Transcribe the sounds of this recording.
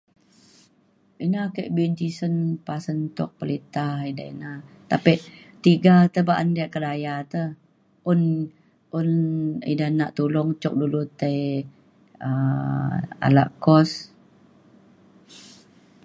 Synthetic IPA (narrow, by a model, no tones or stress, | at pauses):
inakəʔbind͡ʒisənpasənt̪ʊ̰k̚pəlit̪ahida̰ḭnat̪apiʔt̪iɡat̪əbaʔandiaʔkədajat̪əh | ʊn | ʔʊnḭdanaʔt̪ulɔŋt͡ʃɔk̚dulut̪əj | ə | a̰la̰ʔkɔs